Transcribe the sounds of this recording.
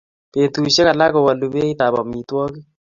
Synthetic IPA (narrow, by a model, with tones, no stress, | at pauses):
pe˨ntu˨ʃe˦ka˨la˦ko˨wa˨lu˨be˦i˦ta˨bɔ̰˨mi˨twɔ˦ki˦